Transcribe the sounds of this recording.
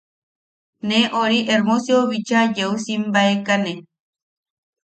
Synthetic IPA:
neʔoɾiʔeɾmosjoβit͡ʃajeusimbaekane

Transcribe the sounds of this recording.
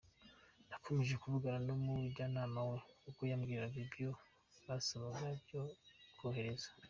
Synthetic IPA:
nakʰo̞meʒe̞kuβuɡaɾanomuɟaːnaːmawekukujamɡiɾɾaβibjo | βasaβaɦaɾɟoɡoːɦe̞ɾe̞za

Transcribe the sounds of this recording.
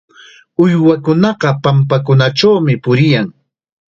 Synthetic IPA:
ʊjwakʊnɑɢɑpampak̬ʊnaʈ͡ʂawmɪpʊɾɪjaŋ

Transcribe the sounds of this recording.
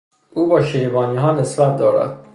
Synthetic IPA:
uːbɒːʃeɾbɒːniːɦɒːnesbæt̪̚d̪ɒːɾæ̰d̪̥̚

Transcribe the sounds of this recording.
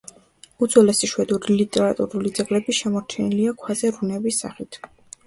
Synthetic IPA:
ud̪zwɛlɛsiʃwɛd̪uɾilit̪ʼɛɾat̪ʼṵɾulid̪zɛɡlɛbiʃɛmɔɾt͡ʃʰɛniliakʰwazɛɾunɛvisːa̰χit̪ʰ

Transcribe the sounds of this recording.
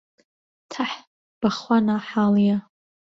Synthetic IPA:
tʰaħ | b̥aχwanaħalja

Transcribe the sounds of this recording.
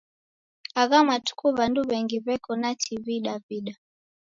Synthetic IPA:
aɣamatu̥kuβanduβɛŋɡiβɛkɔnatʰiviɗaviɗa

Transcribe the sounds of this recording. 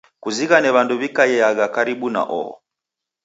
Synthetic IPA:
kuziɣanɛβanduβikajɛjaɣakaɾiɓuna̰ʔɔ̰ɔ̰

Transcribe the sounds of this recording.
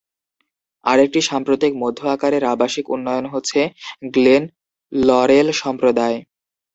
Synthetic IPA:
a̰ɾek̚ʈiʃampɾot̪ik̚mod̪ʱːoakaɾeɾabaʃikṵnːɔjonɦotːɕʰeɡlen | lɔɾelʃɔmpɾod̪ae

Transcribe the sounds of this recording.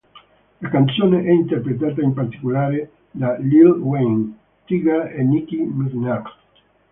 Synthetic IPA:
lakansjoneʔɛint̪eɾpɾet̪̬at̪aempaɾt̪i̥kulaɾe | d̪alilweŋ | t̪iɣaenikimuðnaɾ

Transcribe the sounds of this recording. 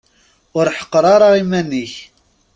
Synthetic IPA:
ʊɾħə̥qːɾˤɑɾˤɑʁimænːiç

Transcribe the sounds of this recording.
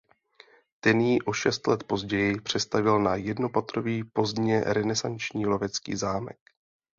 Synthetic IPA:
t̪ɛnjiːʔo̞ʃɛst̪lɛt̪po̞zɟɛjɪpr̝̥ɛst̪avɪlnajɛdno̞pat̪ɾo̞viːpo̞zd̪ɲɛɾɛnɛsant͡ʃɲiːlo̞vɛt͡skḭːzaːmɛ̰k

